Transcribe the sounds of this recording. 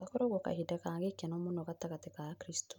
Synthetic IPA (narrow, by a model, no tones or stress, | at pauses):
akoɾoɣoka̰hidakaːŋɡekenomonokataɣatikakɾisto̥